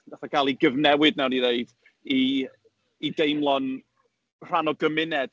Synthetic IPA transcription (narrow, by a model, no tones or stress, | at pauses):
vaθakʰalˠiɡəvnɛwɨdnawnineɨd̥ | iː | dejmlˠɔn | r̥anɔɡəmɪnɛd̥